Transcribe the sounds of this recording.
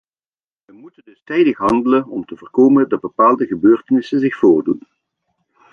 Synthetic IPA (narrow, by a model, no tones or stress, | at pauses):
ʋəmutəndɵstɛjdəxɦɑndələnɔmtəvəːrkoːməndɑd̚bəpaːlˠdəɣəbøːrtənɪsənzɪxfʊːɹdun